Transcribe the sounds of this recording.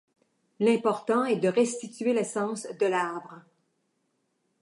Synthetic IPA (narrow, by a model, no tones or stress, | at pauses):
lɛ̃pɔʁt̪ɑ̃ɛd̪əʁɛst̪it̪yelɛsɑ̃ːsd̪əlaʁbʁ